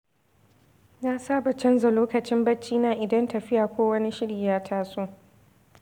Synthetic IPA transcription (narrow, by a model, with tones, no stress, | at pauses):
naː˦saː˦bɐ˨t͡ʃɐ˦nza˨loː˦kɐ˨t͡ʃɪ˦mbɐ˦t͡ʃːiː˦naː˨ʔɪ˨dɐ˦ntɐ˨ɸɪ˦jaː˨kʷoː˦wɐ˦ni˦ʃɪ˦ɽiː˨jaː˦tʰaː˦soː˦